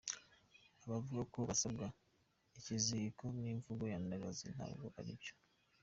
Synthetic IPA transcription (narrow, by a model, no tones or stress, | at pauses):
aβavuɡakoβasabɡa | icizikoniɱvuɡo̞jandaɡazin̥ha̰ːbɡo̞̰ha̰ɾḭco̥